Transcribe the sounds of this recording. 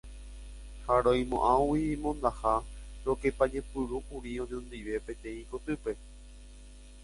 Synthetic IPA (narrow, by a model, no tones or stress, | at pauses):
haɾõj̃mõ̰ʔãowimõ̞nd̪ahaɾo̞ke̞pad͡ʒepɨɾuʔuɾiõ̞d͡ʒõnd̪iʋe̞pẽ̞t̪ẽ̞ĩkot̪ɨpe̞